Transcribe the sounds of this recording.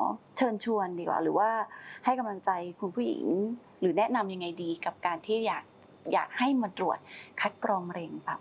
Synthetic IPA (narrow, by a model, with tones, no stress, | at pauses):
t͡ɕʰɤː˧nt͡ɕʰu˧əndiː˧˩kwa̰ː˨˩ɾɯː˩˦waː˥˩ha˥˩jka˧mla˧ŋt͡ɕa˧jkʰu˧npʰuː˥˩jḭ˨˩˦ŋ | ɾɯː˩˦nɛ˦˥ʔna˧mja˧ŋːa˧jdiː˧ka˨˩p̚kaː˧nt̪ʰiː˥˩jaː˨˩k̚ | ja̰ː˨˩k̚ha˥˩jmaː˧t̪ɾu˨˩ət̪̚kʰa˦˥t̪̚kɾɔː˧ŋɾe˧ŋpa˦˩